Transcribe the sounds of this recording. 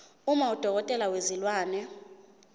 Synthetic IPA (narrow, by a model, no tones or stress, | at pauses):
umaud̥ʱɔk̬ɔtʼɛlawezilwaːnɛ